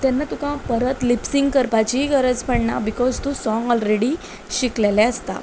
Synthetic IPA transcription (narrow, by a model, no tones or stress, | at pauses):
t̪ɛnːat̪ukãpəɾət̪lipsiŋɡkəɾpat͡ɕiɡəɾəd͡zpəɽɳa̰bikɔzt̪usɔŋɡɔlɾeɽi | ɕiklelɛ̃əst̪a̰